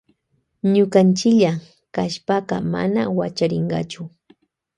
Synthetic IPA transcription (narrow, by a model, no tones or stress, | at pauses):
ɲʊkant͡ʃɪkʎa | kaʃpaɢɑ̰ma̰na̰wat͡ʃaɾɪɴɢɑ̰t͡ʃʊ